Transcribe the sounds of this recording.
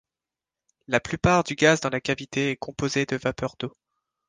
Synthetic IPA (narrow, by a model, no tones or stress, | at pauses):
laplypaʁd̪yɡʲazd̪ɑ̃lakavit̪eɛkɔ̃pozed̪əvapœʁd̪o